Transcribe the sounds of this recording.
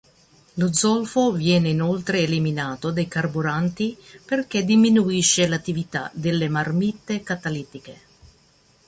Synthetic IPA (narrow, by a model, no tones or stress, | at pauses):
lod̪zɔlfovjɛːneinolt̪ɾeːliminaːt̪od̪ajkarbuɾant̪iperked̪iminuiʃːelat̪ːivit̪a̰d̪elːemarmit̪ːekat̪alit̪ike